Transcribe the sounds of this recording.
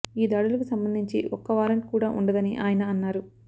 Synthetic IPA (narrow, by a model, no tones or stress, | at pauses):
iːd̪aːɽulɐkusɐmbɐnd̪ʱiɲt͡ʃḭʔɔkːɐʋaːɾɐɳʈ̚kuːɽaːʔuɳɖɐd̪ɐniʔaːjɐnɐːnːaːɾu